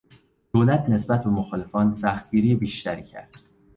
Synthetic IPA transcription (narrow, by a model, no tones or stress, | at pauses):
d̪̥oːlæt̪ʰne̞sbæt̪̚be̞moxɒːle̞fɒːnsæxt̪̚ɡiːɾijebiːʃt̪æɾicʰæ̰ɾd̪̥